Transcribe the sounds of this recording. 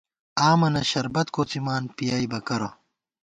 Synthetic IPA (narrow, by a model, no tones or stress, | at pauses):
aːmɐnɐɕɐɾbɐt̪koːt͡simaːnpijaːibɐkɐɾɐ